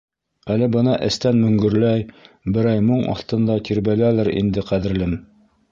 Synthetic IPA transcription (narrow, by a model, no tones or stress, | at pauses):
ælɘbɤnɑʔɘ̰̆st̪ænmɵ̆ŋɡɵ̆ɾlæj | bɘ̆ɾæjmoɴɑ̰θt̪ɤ̆nd̪ɑt̪iɾbælælɘɾḭnd̪ɘqæðɘ̆ɾlɘm